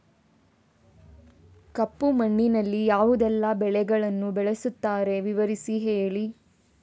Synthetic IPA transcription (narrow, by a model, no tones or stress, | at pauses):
kɐpːumɐɳːinɐlːijaːʋud̪ɛlːɐbɛɭɛɡɐɭɐnːubɛɭesut̪ːaːɾe̞ʋiʋɐɾisiɦeːɭi